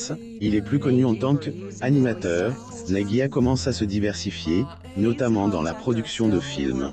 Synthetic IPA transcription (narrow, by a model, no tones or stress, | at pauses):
s | ilɛplykɔnyɑ̃t̪ɑ̃k | animat̪œːʁ | naɡʲiakɔmɑ̃sasəd̪ivɛʁsifje | nɔt̪amɑ̃d̪ɑ̃lapχɔd̪yksjɔ̃d̪əfḭlm